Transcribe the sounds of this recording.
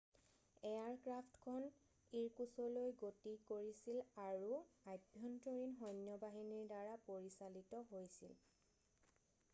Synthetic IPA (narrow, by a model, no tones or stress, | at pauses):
ɛjaɹkɹaptkʰɔn | iɹkusɔlojɡotikoɹisilaɹuajbʱjɔntoɹinɦɔjnjɔbaɦiniɹdaɹapoɹisalitɔɦojsḭl